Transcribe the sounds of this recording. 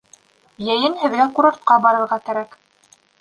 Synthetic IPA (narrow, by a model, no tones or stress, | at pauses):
jæjɘnhɘ̆ðɡækuɾɑɾt̪̚qɑbɑɾɤ̆ɾʁɑkæɾæk